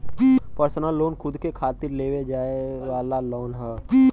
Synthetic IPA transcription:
pipəɾsnəlːoːnkʰʊd̪kekʰaːt̪ɪɾleːʋed͡ʒaːeʋaːlalɔːnɦɛːi

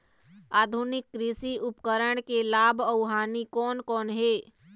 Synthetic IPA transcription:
aːd̪ʱunɪkːɾisiʊpkəɾəɽ̃kelaːbʱəʊɦaːnikɔːnkɔːnɦeː

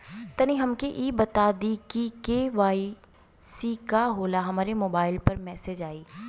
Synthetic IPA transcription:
t̪ɐniɦɐmkeʔiːbɐt̪aːd̪ikikeʋaːi | sikaɦoːlaɦɐmaːɾemoːbaːɪlpɐɾmɛːseːd͡ʒaːiː

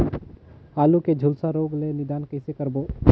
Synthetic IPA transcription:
aːluked͡ʒʱulsaɾoːɡlenɪd̪aːnkəɪsekəɾboː

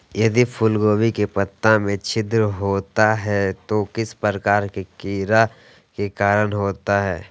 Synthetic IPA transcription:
jɐd̪ipʰʊlɡoːwikepɐt̪ːãmẽt͡ʃʰɪd̪ɾəɦoːt̪aɦɛt̪okɪspəkaːɾkekiːɾa | kekaːɾənɦoːt̪aɦɛː

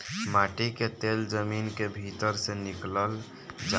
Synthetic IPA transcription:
maʈiket̪eld͡ʒəminkebʱit̪əɾsẽnikləl | d͡ʒ

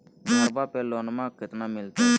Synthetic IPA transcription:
ɡaɾbapɛlɔnmãɡʱət̪namilt̪a

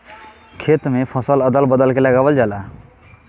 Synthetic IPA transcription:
kʰeːt̪mẽpʰɔ̃sələd̪əlbəd̪əlkeləɡaːʋəld͡ʒaːlaː

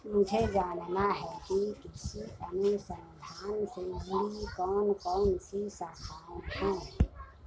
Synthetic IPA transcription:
mʊd͡ʒʱed͡ʒaːnnaɦɛkikɪsiənusə̃nd̪ʱaːnsebikɔːnkɔːnsisaːkʰaːnhɛ̃ː

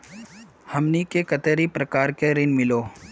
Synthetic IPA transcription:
hɐmnikekɐt̪əɾipɾəkaːɾkeɾɪnmɪloː

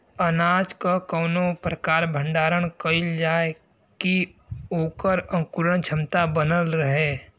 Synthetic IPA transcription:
ənaːd͡ʒkakəʊnopɾəkaːɾbʱə̃ɳɖaːɾəɽkəɪld͡ʒaːe | kioːkəɾə̃ŋkuɾəɳ̃t͡ʃʰəmt̪abənəlɾəɦeː

